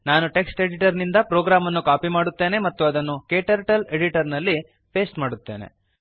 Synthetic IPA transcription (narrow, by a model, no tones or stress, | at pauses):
naːnuʈe̞ksʈe̞ɽiʈɐɾnind̪ɐpɾoːɡɾaːmɐnːukaːpimaːɽut̪ːe̞ːne̞mɐt̪ːuɐd̪ɐnːukeːʈɐɾʈɐle̞ɽiʈɐɾnɐlːi | pe̞ːsʈmaːɽut̪ːe̞ːne̞̰